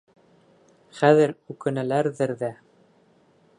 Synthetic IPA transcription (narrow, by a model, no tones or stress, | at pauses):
χæðɘɾʉkɘ̆nælæɾðɘɾðæ